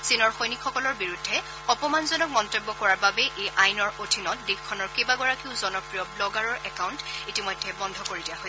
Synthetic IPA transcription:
sinɔɹxojnikʰxɔkɔlɔɹbiɹudʱːɛ | ɔpɔmanzɔnɔk̚mɔntobːɔkɔɹaɹbabɛʔejʔajnɔɹʔodʱinɔt̚dexkʰːɔnɔɹkejbaɡɔɹakiʊzɔnɔpɹijɔblɔɡaɹɔɹɛkawntitimɔjdʱːɛbɔndʱɔkoɹidijaɦo

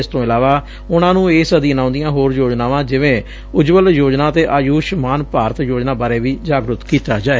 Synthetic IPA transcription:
ɪst̪õːɪlaːʋaː | ʊnãːnũːeːsəd̪iːənãːʊ̃nd̪ijãːɦoːɾjoːd͡ʒnaːʋãːd͡ʒɪʋẽː | ʊd͡ʒʋəljoːd͡ʒnãːt̪eːʔaːjuːʃmaːnpaːɾət̪joːd͡ʒnaːbaːɾeːʋiːd͡ʒaːɡɾʊt̪kiːt̪aːd͡ʒaːe

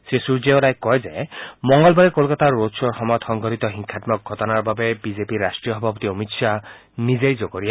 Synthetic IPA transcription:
sesuɾd͡ʒeoɾajkːɔjzemɔŋɡɔlbaɾekolkat̪aːosɔɹxɔmɔt̪xɔŋɡʱɔɾit̪ɔɦiŋkʰat̪mɔk̚ɡʱɔtɔnaɹbabebizepiɾasʈɹijɔɦɔbʱapɔt̪iomitʃʰa | nizejd͡ʒokoɾie

